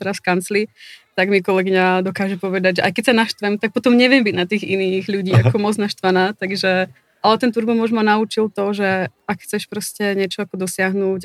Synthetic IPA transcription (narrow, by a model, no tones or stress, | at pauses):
ɛɾaskant͡slit̪aɡmikɔlɛɡiɲad̪ɔkaːʒɛpɔʋɛd̪aɟʒɛʔajkɛcsanaʃt̪ʋɛmt̪ak̚pɔt̪ɔmɲɛʋɪɛmbiɟnat̪iːɣiniːɣʎuɟiːakɔmɔd͡znaʃt̪ʋanaːt̪aɡʒɛ | ʔalɛt̪ɛnt̪uɾbɔmɔʒɔmanaut͡ʃilˠt̪ɔʒɛakxt͡sɛʃpɾɔscɛɲɛt͡ʃɔakɔd̪ɔsɪaɦnuːc